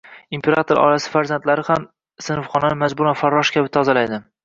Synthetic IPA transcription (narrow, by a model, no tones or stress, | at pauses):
impʰe̞ɾat̪ʰoɾɒ̰ɾasɪ̥faɾzant̪laɾɪham | sɪnɨfχɒnanɪmazbʊɾanfaɾːɒʃkʲʰabɪt̪ʰɒzalajd̪ɪ